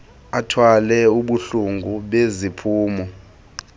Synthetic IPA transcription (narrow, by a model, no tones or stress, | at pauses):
atʰwalɛuɓuɬuŋɡʱuɓezipʰuːmɔ